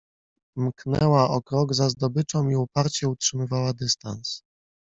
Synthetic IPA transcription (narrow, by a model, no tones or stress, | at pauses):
mknɛ̰waʔɔkɾɔɡzazd̪ɔbɘt͡ʂɔ̃w̃iupaɾt͡ɕɛutʂɘmɘvawad̪ɘst̪a̰ns